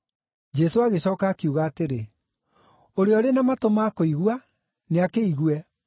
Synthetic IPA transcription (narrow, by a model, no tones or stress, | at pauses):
d͡ʒɛsoaɣeɕɔːkaːkiuɣaːteɾe | oɾeɔɾenamatomakoiɣwa | neakeiɣwɛ